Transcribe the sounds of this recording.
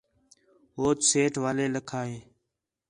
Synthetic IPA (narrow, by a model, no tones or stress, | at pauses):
ɦoːt͡ʃ̪seːʈʋaːleːləkʰaːɦeː